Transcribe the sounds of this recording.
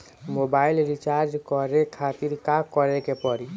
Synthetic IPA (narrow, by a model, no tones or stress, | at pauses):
mobaːɪlɾit͡ʃaːɾd͡ʒkɔɾekʰat̪iɾkakɔɾekepɔɾi